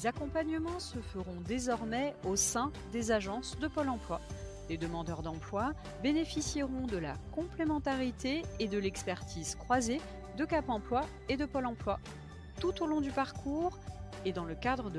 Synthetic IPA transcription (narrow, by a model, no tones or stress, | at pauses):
lezakɔ̃paɲəmɑ̃səfəʁɔ̃d̪ezɔʁmɛosɛ̃ | d̪ezaʒɑ̃sd̪əpɔlɑ̃plwa | led̪əmɑ̃d̪œʁd̪ɑ̃plwa | benefisiʁɔ̃d̪əlakɔ̃plemɑ̃t̪aʁit̪eːd̪əlɛkspɛʁt̪ʰizkχwaze | d̪əkapɑ̃plwa | ed̪əpɔlɑ̃plwa | t̪ut̪olɔ̃d̪ypaʁkʰuːʁ | ed̪ɑ̃ləkad̪ʁəd̪ə